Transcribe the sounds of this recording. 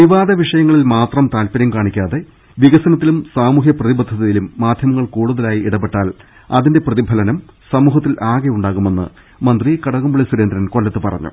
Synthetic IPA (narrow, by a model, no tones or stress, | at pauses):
ʋiʋaːd̪ɐʋiʂɐjɐŋːɐɭilmaːt̪rɐmt̪aːlpɐɾjɐmkaːɳikʲːaːðe̞ | ʋiɣɐsɐnɐt̪̬ːilumsaːmuːɦjɐprɐðibɐd̪ʱɐðijilumːaːd̪ʱjɐmɐŋːɐɭkuːɽuðɐlaːjiiɽɐpːe̞ʈːaːl | ɐðinde̞prɐðibʱɐlɐnɐm | sɐmuːɦɐt̪ːilʔaːɣeuɳɖaːɣume̞nːɨ̰ | mɐnd̪rikɐɽɐɣumbuɭisuɾe̞nd̪ɾɐnko̞ɭlːɐt̪ːɨpɐrɐ̰ɲːṵ